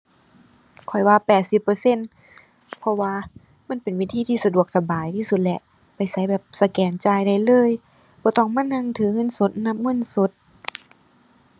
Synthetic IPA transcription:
kʰɔ˨˩jwaː˧pɛː˨˩t̪̚si˧˦pːɤː˧se˧˥˨n | pʰɔ˧waː˧ | ma˧˥˨npe˨nwiː˧˩t̪ʰiː˧t̪ʰiː˧sa˧du˨˩ək̚sa˧baː˨˩jt̪ʰiː˧su˧˦t̪̚lɛ˧ʔ | pa˨˩jsa˧˦jbɛː˨˩p̚sa˧kɛː˨˩nt͡ɕaː˧˩jda˧˩jlɤː˧˥˨j | bɔː˧˦t̪ɔ˧˩ŋma˧˥˨nha˧˥˨ŋt̪ʰɯː˨˦ŋɤ˧˥˨nso˧˦t̪̚na˧˥˨p̚ŋɤ˧˥˨nso˧˦t̪̚

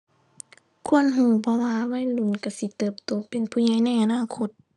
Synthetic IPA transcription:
kʰu˧˥˨ənɦuː˧˩pʰɔ˧waː˧wa˧˥˨jlu˧˩˨nka˧˩si˧˦t̪ɤː˧˩p̚t̪oː˧˦pe˨npʰuː˧˩ɲa˧˨jna˧˩˨jʔa˨˧naː˧˥˨kʰo˧˦t̪̚

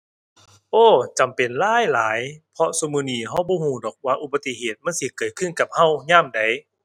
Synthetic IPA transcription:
ʔoː˧˩t͡ɕa˨˩mpe˨˩nlaː˧˥˩jlaː˨˦jpʰɔ˧so˧˦mɯː˧˨niː˧˩ɦa˧˥˩wbɔː˧˦huː˧˩dɔː˨˩k̚waː˧ʔu˧˩ba˧t̪i˧˨heː˨˩t̪̚ma˧˥˨nsi˧˦kɤː˨˩kʰɯ˧˥˨nka˨˧˩p̚ha˧˩˨wɲaː˧˥˨mda˨˩˦j

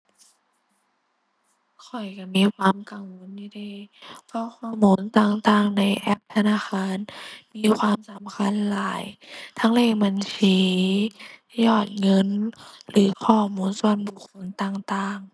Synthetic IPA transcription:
kʰɔ˨˩jka˧˩miː˧˥˨kʰwaː˧˥mka˨˩ŋwo˧˥ndiː˧da˧˩˨pʰɔ˧˥kʰɔː˧˩˨muː˨˦˥nt̪aː˧˩ŋt̪aː˧˩ŋna˧˥jʔɛ˧˥p̚t̪ʰa˧naː˧˥˨xaː˧˥˨nmiː˧˥˨kʰwaː˧˥msa˨˦mkʰa˧˥˨nlaː˨˦jt̪ʰa˧˥ŋleː˧˩ŋ̚ba˧nsiː˨˦ | jɔː˧˩t̪̚ŋɤ˧˥˨nlɯː˨˦kʰɔː˧˩muː˨˦˥nsu˧ənbu˨˧˩kʰːo˧˥˨nt̪aː˧˨ŋt̪aː˧˨ŋ

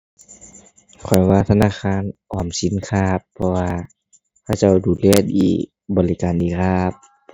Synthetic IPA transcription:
kʰɔ˨˩jwaː˧˩t̪ʰa˧naː˧˩˨xaː˧˨nʔɔː˨˩msi˨˦nkʰaː˧˩pʰːɔ˧waː˧ | kʰa˧˩wt͡ɕa˧˩˨wduː˨˩lɛː˧˩˨t̪̚iː˧˩ | bɔː˨li˧kaː˨nʔiː˧˩kʰaː˧˥˩p̚

